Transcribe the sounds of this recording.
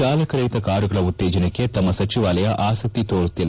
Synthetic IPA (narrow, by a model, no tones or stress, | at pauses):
aːlɐkɐɾɐjt̪ɐkaːɾjuɡɐɭɐut̪ːeːd͡ʒɐnekːet̪ɐmːɐsɐt͡ʃiʋaːlɐjɐʔʔaːsɐk̚t̪it̪oːɾut̪ːilɐ